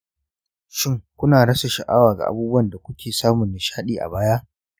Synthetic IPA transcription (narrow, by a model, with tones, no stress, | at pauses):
ʃɪ˦ŋkʷʊ˦naː˨ɽɐ˦sa˨ʃɐ˨ʔaː˦waː˨ɡa̰˨ʔa̰˨buː˦bʊ˦wɐ˦˨nda˨kʷʊ˦kʲʰeː˨saː˦mʊ˨nːɪ˨ʃaː˦ɗiː˨ʔa̰˨baː˦ja˦ʔ